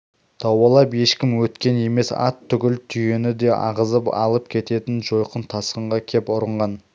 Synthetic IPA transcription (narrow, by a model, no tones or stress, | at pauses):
d̪̥ɑwɑlˠɑpje̞ʃkʲɪmwɵt̪kʲe̞ne̞me̞sɑ̰t̪ʰːʏɡʲɪlt̪ʰʏje̞nɪd̪e̞ʔɑ̰ʁəzəpɑ̰lˠəp̚kʲʰe̞t̪e̞t̪ɪnʒo̞jqənt̪ʰɑsqəɴʁɑkʲʰe̞pʊɾəɴʁɑn